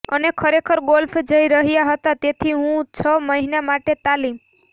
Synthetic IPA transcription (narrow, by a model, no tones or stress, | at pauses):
ənekʰɔɾekʰɔɾɡolpʰd͡ʒəjɾəɦijaɦɔt̪at̪et̪ʰiɦũt͡ʃʰɔməɦinamaʈet̪alim